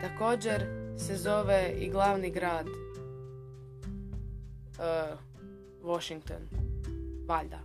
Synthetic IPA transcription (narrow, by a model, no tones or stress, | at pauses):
t̪ako̞ːd͡ʑeɾse̞zo̞ʋeiɡlˠaːʋniɡɾaːd̪ | ʋoʃiŋk̚t̪o̰n | ʋaʎd̪a̰